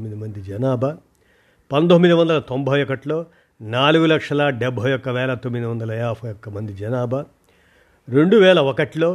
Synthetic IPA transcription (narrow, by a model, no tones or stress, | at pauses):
mːid̪imɐnd̪id͡ʒɐnaːbʱɐ | pɐnd̪omːid̪iʋɐnd̪ɐlɐt̪ombʱɐjɔkɐʈlo̞ː | naːluɡulɐkʂɐlɐɖɛbʱɐjɔkːɐʋɛːlɐt̪omːid̪iʋɐnd̪ɐlɐjaːpʰɐjɔkːɐmɐnd̪id͡ʒɐnaːbʱɐ | ɾe̞ɳɖuʋɛːɭɐɔkɐʈlo̞ː